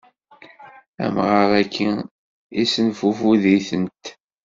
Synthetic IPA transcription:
æ̰mʁəɾˤækʰːi | isənfufuðiθənt̪

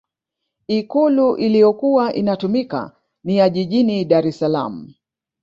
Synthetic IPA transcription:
ikuluʔilijɔkuwaʔinatumika̰ | nijaʄiʄiniɗaɾɛsala̰m̩

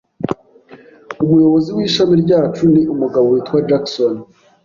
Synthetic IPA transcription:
umujo̞βo̞zibwiːʃamiɾɟaːt͡ʃuniʔumuɡaβoɾitwad͡ʒakson

